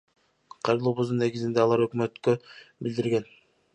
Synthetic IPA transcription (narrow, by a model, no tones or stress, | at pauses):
qʰɑjɾɯlˠuːβuzd̪unːeɡizind̪eɑlˠɑɾø̞kmø̞t̪købild̪iɾɡe̞n